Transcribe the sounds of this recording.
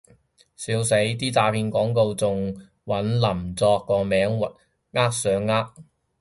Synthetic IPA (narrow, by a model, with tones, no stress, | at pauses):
siː˨˥wse˨˥jt̪iː˥t͡saː˧pʰiː˧nkɔː˨˥ŋko˧wt͡sʊ˨ŋ | wɐ˨˥nlɐ˨˩mt͡sɔː˧kːɔː˧mɛː˨˥ŋwɐ˨t̚ | ŋaː˥k̚sœː˨˥ŋːaː˥k̚